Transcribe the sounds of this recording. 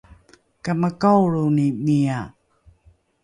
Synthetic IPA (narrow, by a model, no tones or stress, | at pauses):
kaməkawɭunimia